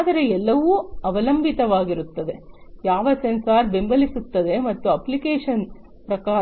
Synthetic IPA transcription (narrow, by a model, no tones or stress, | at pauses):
d̪ɐɾe̞ɛlːɐʋuɐʋɐlɐmbʱit̪ɐʋaːɡiɾut̪ːɐd̪e̞jaːʋɐsensaːɾbe̞mbɐlisut̪ːɐd̪e̞mɐt̪ːuɐplikeːʂɐn | pɾɐkaː